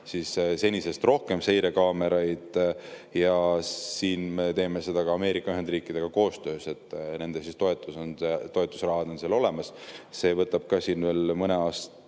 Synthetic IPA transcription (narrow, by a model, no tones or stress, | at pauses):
siːsse̞nʲise̞st̪ro̞hke̞mse̞jɾe̞kɑːme̞ɾɑjd̪̥ | jɑsiːnme̞t̪e̞ːme̞se̞d̪̥ɑkɑɑme̞ːɾikːˑɑyɦe̞nd̪riːkˑid̪e̞ɡ̥ɑko̞ːst̪ø̞ːse̞t̪ːˑne̞nd̪esist̪o̞e̞t̪ːˑusonet̪o̞e̞t̪ːˑu̥srɑɦɑd̪o̞nseːlo̞le̞mɑsse̞ːvɤt̪ːˑɑb̥̚kɑːsiːnve̞ːlmɤneɑːst̪